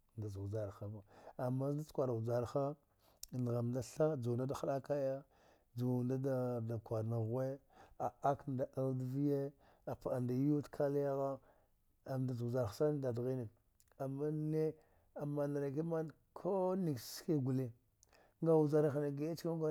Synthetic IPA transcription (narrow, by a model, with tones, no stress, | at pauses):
nda˨zu˨d͡ʒa˨ɾxa˨ba˨a˨mːa˦a˦t͡skʷa˨ɾa˨u˨d͡ʒa˨ɾxa˦˨ | n˨ɣa˨mda˦ɬa˦d͡zu˨da˦da˨xa˦ɗa˦ka˦ja˦ | d͡zu˨nda˦da˦˨da˨kʷa˨ɾna˨ɣe˦a˨a˦knda˨ʔa˦ldvi˦je˦ | a˨pa˨a˨nda˨ju˦tkʰa˦lja˦ɣa˦ | a˨mda˨zu˨za˨ɾxḁ˨˦sa˦n˦da˨dɣi˦ne˨ | a˨mːa˦ne˦ | a˨ma˨na˨ɾa˨ke˦ma˦n | kʰo˦ni˨kske˦ɡu˨le˦ | ŋɡa˦wu˨d͡ʒa˨ɾa˦xa˨na˨ɡe˦ja˦t͡ʃka˦ɡʷa˦